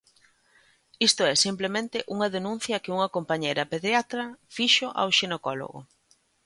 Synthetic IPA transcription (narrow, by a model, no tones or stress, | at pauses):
ist̪ʊɛsimplemẽnt̪ɪʔuŋɐðenũn̟θjɐkɪuŋɐkompaɲejɾɐpeðɾjat̪ɾɐfiʃoʔa̰wʃenekɔlo̰ɣʊ̰